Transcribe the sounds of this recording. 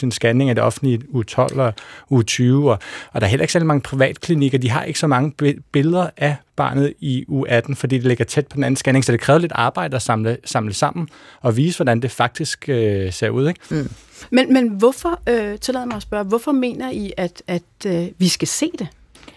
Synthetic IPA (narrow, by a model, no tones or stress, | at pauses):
sinsɡ̥æne̝ŋæd̥e̝ɒ̽fn̩d̥liuːt͡sʰɒ̽l̰ɒuːt͡sʰyːʊɒʔɒ̽d̥ɑ̈ɐɦelɐe̝ɡ̥sæɐlimɑ̈ŋəpʰʁiʋɛ̰ːd̥kʰliniɡ̥ɐd̥iɦɑ̈ʔe̝ɡ̥ə̥sɒ̽mɑ̈ŋəb̥e̝lð̞ˠɐʔæb̥ɑ̰̈ːnð̞̩ˠiṵʔæd̥n̩fɒ̽d̥ḭːd̥e̝le̝ɡ̥ɐt͡sʰed̥̚pʰɒ̽d̥enæn̩sɡ̥æne̝ŋsɒ̽d̥e̝kʰʁɛːʊle̝d̥ɑ̈ːb̥ɑ̈ɪ̰d̥əɒsɑ̈mləsɑ̈mləsɑ̈m̰n̩ | ɒ̽ʋiːsəʋɒdænd̥e̝fɑ̈ɡ̥̚d̥isɡ̥øse̝ɐ̰uð̰ˠeɡ̥ | menmenʋɔfɒøt͡sʰe̝lɛ̰ðˠmɑ̈ɪɐsb̥ɶɐʋɔfɒme̝̰ːnɐiʔæd̥æd̥ʋisɡ̥æse̝̰ːd̥e̝